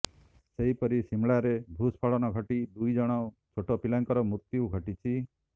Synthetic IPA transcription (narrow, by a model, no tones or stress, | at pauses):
seɦipɔɾisimɭaɾeb̪ʱuspʰɔɭɔnɔɡʱɔʈid̪ujd͡ʒɔɽ̃ɔ | t͡ʃʰoʈɔpilaŋkɔɾɔmut̪jiuɡʱɔʈit͡ʃʰi